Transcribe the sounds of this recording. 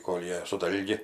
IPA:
ˈkoːlʲ ˈjiɛ sʊ ˈdɐlʲɡʲɪ

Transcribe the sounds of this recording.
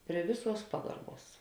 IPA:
pʲrʲiɛ ˈʋʲɪˌsuɔs ˈpɑːɡɐrˌbuɔs

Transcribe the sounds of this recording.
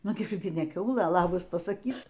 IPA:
ˈnʊ ˈɡʲɪ nʲɛ ˈkʲɛʊlˠɘ ˈlˠɑːbɐs pɐsɐˈkʲiːk

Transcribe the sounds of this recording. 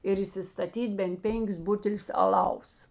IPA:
ɪr iːsʲɪstɐˈtʲiːtʲ bʲɛnt ˈpʲɛŋʲkʲɪs ˈbʊtʲɛlʲʊs ɐˈlˠɐʊs

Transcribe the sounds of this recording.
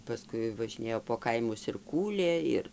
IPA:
pɐˈskʊɪ ʋɐʒʲɪˈnʲeːjoː poː ˈkɐɪmʊs ɪr ˈkuːlʲeː ˈɪr

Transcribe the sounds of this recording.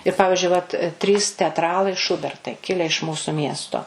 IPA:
ɪr ˈpɑːʋʲɪʒʲʊɪ ʋɐt ˈtʲrʲiːs tʲɛɐtˈrɑːlˠɐɪ ˈʃʊbʲɛrtɐɪ ˈkʲɪlʲɛ ɪʃ ˈmuːsʊ ˈmʲiɛstoː

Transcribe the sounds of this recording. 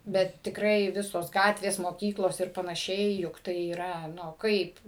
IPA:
ˈbʲɛt tʲɪkˈrɐɪ ˈʋʲɪsoːs ˈɡɑːtʲʋʲeːs moːˈkʲiːklˠoːs ɪr pɐnɐˈʃʲɛɪ jʊk ˈtɐɪ iːˈrɐ nʊ ˈkɐɪp

